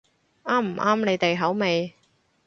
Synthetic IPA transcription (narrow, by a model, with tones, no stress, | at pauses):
ʔaː˥m̩˨˩ʔaː˥mne˨˧jt̪e˨jɦɐ˨˥wme˨˧j